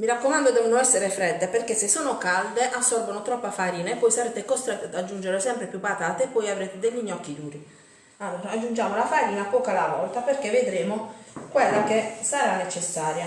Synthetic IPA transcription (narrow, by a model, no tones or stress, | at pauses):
miɾakːomand̪od̪ɛːvonoɛsːeɾefɾɛd̪ːeperkesːesːoːnokald̪eʔasːɔrbonot̪ɾɔpːafaɾiːnaepːɔjsaɾeːt̪ekost̪ɾet̪ːad̪ad͡ʒːund͡ʒeɾesɛmpɾepjupːat̪aːt̪eepːɔjavɾeːt̪ed̪eʎːiɲːɔk̟ːid̪uːɾi | aɾad͡ʒːund͡ʒaːmolafaɾiːnapɔːkalavɔlt̪aperkevːed̪ɾeːmokwelːakesaɾanet͡ʃesːaːɾja